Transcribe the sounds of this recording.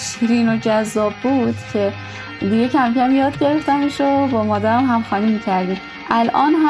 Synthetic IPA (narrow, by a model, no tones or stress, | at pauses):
ʃɾiːnod͡ʒæzːɒːbːuːd̪̥cʲʰe̞ | d̪iɡe̞cʰæmcʰæmjɒːd̪ɟe̞ɾe̞ft̪æmeʃobɒːmɒːd̪æɾæmɦæmxɒːnimicʰæɾd̪iːm | ʔælʔɒːnɦæ